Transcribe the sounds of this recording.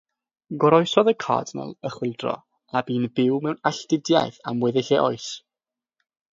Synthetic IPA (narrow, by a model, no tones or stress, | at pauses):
ɡɔɾɔjsɔðəkʰa̰ːdnə̰lˠəχwɪlˠdrɔ̰ | abiːnbɪwmɛwnaɬd̥ɪdja̰jθamwɛðɪɬɛʔɔɨs